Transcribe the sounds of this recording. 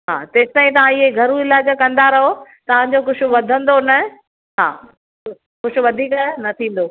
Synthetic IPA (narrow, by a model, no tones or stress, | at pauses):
ɦa̰ːt̪ẽːst̪aːĩt̪ɐʋ̤ãɪɦeɡʱɐɾũɪlaːd͡ʑəkɐ̃nd̪aɾɐɦot̪ɐʋ̤ãɲd͡ʑoxʊʃʊ̆ʋɐd̪ʱə̃nd̪onɐ | ɦa̰ː | xʊʃʊ̆ʋɐd̪ʱiːkanɐt̪ʰĩːn̆d̪oː